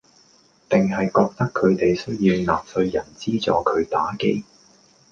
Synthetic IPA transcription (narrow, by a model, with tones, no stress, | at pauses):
t̪ɪ˨ŋɦɐ˨jkɔː˧k̚t̪ɐ˥kʰːɵ˨˧ɥt̪e˨jsɵ˥ɥjiː˧wnaː˨p̚sɵ˧ɥjɐ˨˩nt͡siː˥t͡sɔ̰ː˨˥kʰɵ˨˧ɥt̪aː˨˥ke˥j